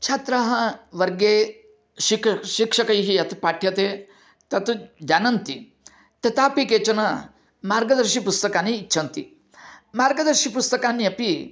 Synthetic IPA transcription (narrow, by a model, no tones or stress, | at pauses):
t͡ʃʰaːt̪ɾaːɦɐʋɐɾɡeː | ʃikʃikʂɐkɐjɦijɐt̪upaːʈʰjɐt̪eː | t̪ɐt̪ud͡ʒaːnɐnt̪i | t̪ɐt̪aːpikeːt͡ʃɐnɐ | maːɾɡɐd̪ɐɾʃipust̪ɐkaːniːtːt͡ʃʰɐnt̪ḭ | maːɾɡɐd̪ɐɾʃipust̪ɐkaːnːiɐpi